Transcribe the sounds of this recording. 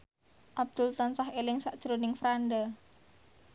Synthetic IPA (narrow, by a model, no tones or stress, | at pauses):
ʔab̚d̪̥ult̪ɔnsaɦelɪŋsaʔʒ̥əɾonɪŋfɾanɖa